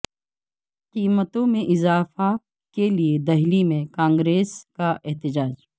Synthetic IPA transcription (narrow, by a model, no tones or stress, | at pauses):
qiːmət̪õmẽʔɪzaːfa | kelied̪ɐɦlimẽkãːŋɡɾeːskaʔɛɦt̪ɪd͡ʒaːd͡ʒ